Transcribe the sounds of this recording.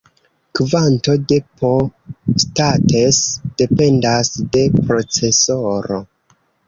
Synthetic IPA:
kvanto̞de̞pʰo̞state̞sd̥e̞pe̞ndasde̞pɾo̞t͡se̞soɾo̞

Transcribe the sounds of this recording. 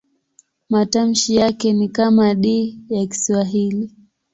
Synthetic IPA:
matam̩ʃijakɛnikamaɗijaki̥swaɦili

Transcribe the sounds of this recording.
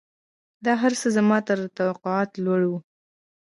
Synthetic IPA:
d̪ɑɦaɾsəzamɑt̪əɾt̪awaqʊɑt̪lwaɽwu

